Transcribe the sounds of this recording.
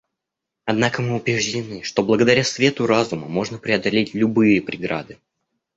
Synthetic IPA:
ɐd̪nakəmɨʊpɾʲɪʐdʲɪnɨʂt̪o̞blˠəɡəd̪ɐɾʲasvʲe̞t̪ʊɾazʊmə̰mo̞ʐnəpɾʲɪɐd̪ɐlʲetʲlʲʊbɨjəpɾʲɪɡɾa̰d̪ɨ

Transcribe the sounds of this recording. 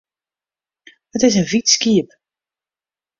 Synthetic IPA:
ətɪsənvitskiəp

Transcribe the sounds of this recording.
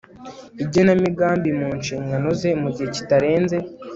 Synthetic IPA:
ibɟonamiɡaːmbimuːnʃiːŋɡano̞ze̞muɟihe̞ci̥taɾe̞ːnze̞

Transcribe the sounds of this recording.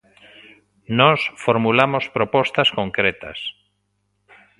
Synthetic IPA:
nɔsfoɾmulamospɾopɔst̪askoŋkɾet̪a̰s

